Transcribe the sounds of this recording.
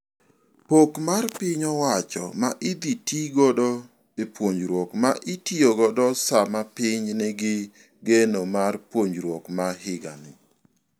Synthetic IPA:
pokmarpɪɲɔwat͡ʃɔ̰maʔɪd̪itiɡɔdɔ | epwoɲd͡ʒɾwɔkmaʔɪtioɡɔdɔsamapɪɲnɛɡɪ | ɡenomarpwoɲd͡ʒɾwɔkmahɪɡa̰nɪ

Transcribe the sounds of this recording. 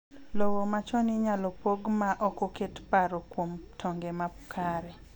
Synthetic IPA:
lowomat͡ʃɔnɪɲalɔpoɡmaʔɔkɔketpaɾokwomtʰɔŋɡemapkʰaɾɛ

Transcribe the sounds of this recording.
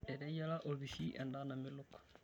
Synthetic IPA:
ɛɾɛjalaʔolβiʃiʔɛndanamɪlukḁ

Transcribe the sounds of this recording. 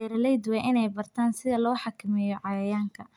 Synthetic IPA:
ɛɾɐlɛjd̪ʊwɛʔɪnɛjbɐrt̪ʰaːnsɪðɐlɔːħɑkʰɪmɛjɔʕɑjɐjaːŋkʰɐ

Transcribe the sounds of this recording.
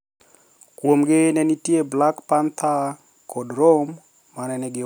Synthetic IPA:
kwomɡɪnɛnitjeblakpant̪ʰa | kʰodromː | anɛnɛɡɪ

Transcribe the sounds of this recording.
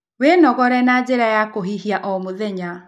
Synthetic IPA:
wenɔɣɔɾɛnad͡ʑeɾajakoɦiɦiaʔɔmoðɛɲa

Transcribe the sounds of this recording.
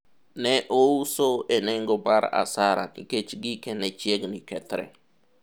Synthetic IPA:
nɛʔousoeneŋɡobaɾa̰saɾa̰nḭket͡ʃɡikɛnɛt͡ʃjeɡnikɛt̪ɾɛ̰

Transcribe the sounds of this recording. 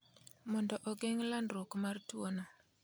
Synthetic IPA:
mɔndɔʔɔɡeŋlandɾokmartwono

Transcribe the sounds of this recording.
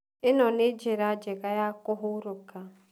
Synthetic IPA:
ɪnɔned͡ʒeɾad͡ʒeɡajakʊɦʊɾʊka

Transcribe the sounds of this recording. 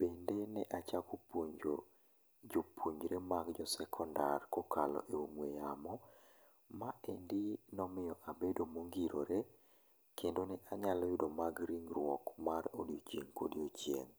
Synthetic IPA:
b̥endenɛʔat͡ʃakopuɲd͡ʒo̰ | d͡ʒopʰuɲd͡ʒɾemaɡd͡ʒɔsɛkʰɔndarkɔkʰalɔ̰ʔeomwejamɔ | maendinɔmɪjɔʔabedomoŋɡiɾoɾe | kʰendonɛʔaɲalɔjʊdɔmaɡɾiŋrwɔkmaɾodiot͡ʃeŋkodjot͡ʃjḛŋ

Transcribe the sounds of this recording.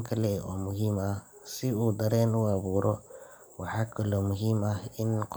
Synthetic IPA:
kʰɐlɛʔɔːmʊɦimɐh | sɪuːd̪ɐɾɛːnʊɐβuːɾʔɔ | wɑħɑːkʰɐlɔːmʊɦɪmɐhɪnqʰ

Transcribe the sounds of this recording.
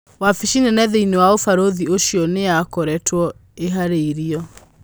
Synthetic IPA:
wafiʃinenɛðeinewaofaɾoðioʃjɔneakɔɾɛtʰwɔeɦaɾeiɾiɔ

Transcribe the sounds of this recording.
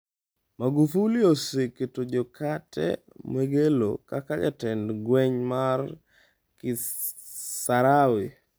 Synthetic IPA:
maɡufulioseketod͡ʒokʰatʰɛ̰ | mweɡelo̰kakad͡ʒa̰tɛndɡwɛɲmar | kɪ | saɾawɪ

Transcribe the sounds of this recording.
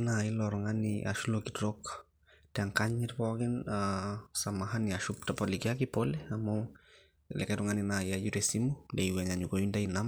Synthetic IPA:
nailɔɾɔŋaniʔa̰ʃulokitɾok | teaŋkaɲitpɔkinasamaɦaniaʃuptapolikiakipoleamo | lɛ̰kaɾɔŋaninaiajuɾesimundeiwɛɲaɲukojundainam

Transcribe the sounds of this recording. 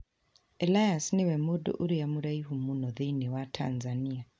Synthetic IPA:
elajasniwɛmudṵʔuɾijamuɾaiɦumunɔðiniwatʰa̰nzania

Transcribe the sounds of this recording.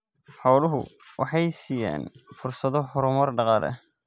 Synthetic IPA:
ħɑwlʊɦʊ̰ | wʔɑħɑjsiːja̰ːnfʊrsɐðɔħʊɾʊmɐrɖɑqɑːlɛ̰

